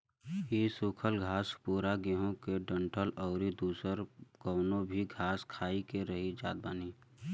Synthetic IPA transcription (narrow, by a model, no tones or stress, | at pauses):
isuːkʰəlɡʱaːspuːɾaɡɪɦõkeɖə̃ɳʈʰəlɔːɾid̪uːsəɾkɔːnõbʱiɡʱaːskʰaːikeɾəɦid͡ʒa̰ːd̪̚baːniː